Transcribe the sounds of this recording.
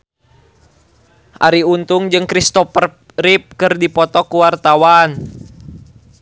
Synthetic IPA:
ʔa̰ɾiunt̪uŋd͡ʒɨŋkɾist̪ɔfər | rip̚kɨrdipɔt̪ɔkuwart̪awan

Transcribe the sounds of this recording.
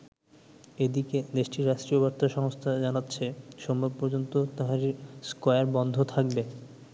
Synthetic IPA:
ed̪iked̪eʃʈiɾːaʃʈɾiobaɾt̪aʃɔŋost̪ʰad͡ʑanatːɕʰeʃombabpɔɾd͡ʑont̪ot̪aɦaɾiskɔjaɾbɔnd̪ʱot̪ʰak̚be

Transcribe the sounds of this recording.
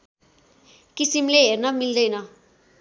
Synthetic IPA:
kisimleɦernʌmild̪ʌjnʌ

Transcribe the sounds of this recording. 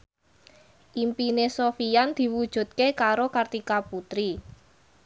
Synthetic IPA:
ʔimpinesofijand̪̥i̤wud̥ʒ̥ṳt̪̚kekaɾokart̪ikaput̪ɾi

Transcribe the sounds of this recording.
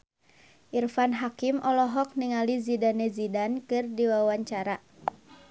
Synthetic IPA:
ʔirfanɦakimʔɔlɔɦɔk̚niŋalizidanɛzidankɨrdiwawaɲt͡ʃaɾa

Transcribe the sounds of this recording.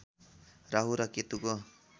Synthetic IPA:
ɾaɦuɾaket̪uko

